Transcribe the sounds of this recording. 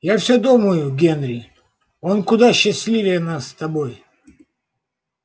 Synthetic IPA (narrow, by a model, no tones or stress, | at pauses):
jafsʲod̪uməjʊɡʲenɾʲɪ | onkʊd̪aɕːɪsʲlʲivʲɪjənast̪ɐboj